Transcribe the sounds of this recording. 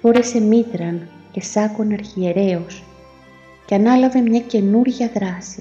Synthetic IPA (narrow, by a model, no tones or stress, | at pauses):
o̞ɾe̞se̞mit̪ɾɐn | ce̞sɐko̞nɐɾçie̞ɾe̞o̞s | ceɐnɐlɐve̞mɲɐce̞nuɾʝɐðɾɐsi